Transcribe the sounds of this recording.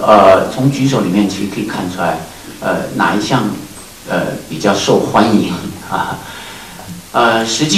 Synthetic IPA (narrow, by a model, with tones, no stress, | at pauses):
ə˧˩t͡sʰʊ˧˥ŋt͡ɕy˧˥ʂ̬o˨˧˥ʊli˨˩mjɛ˥˩nt͡ɕʰi˧˥ʂ̩ɻ̩˧˥kʰɤ˧˥i˨˩kʰa˥˩nʈ͡ʂʰu˥la˧˥ɪ | ə̰˧˩na̰˧˩i˧˥ɕjɑ˥˩ŋ | ə̰˧˩pi˨˩t͡ɕjɑ˥˧ʊʂo˥˩ʊxwa˥ni˧˥ŋə˧˩ | ə˧ʂɻ̩˧˥t͡ɕi˥